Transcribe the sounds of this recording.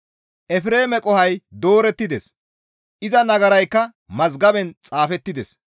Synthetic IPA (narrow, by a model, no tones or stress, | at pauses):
ʔɛfɾe̞ːmɛkʼɔhɐjd̪o̞ːɾɛt̪ːɪd̪ɛs | ʔɪzɐnɐɡɐɾɐjkːɐ | mɐzɡɐbɛnt͡sʼaːfɛt̪ːɪd̪ɛs